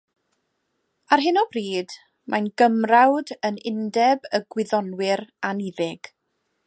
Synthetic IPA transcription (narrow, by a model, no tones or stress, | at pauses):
arɦɪnɔb̥riːd̥ | mʔajnɡəmrawdənɪndɛbəɡwɪðɔnwɪɾaniðɪɡ̥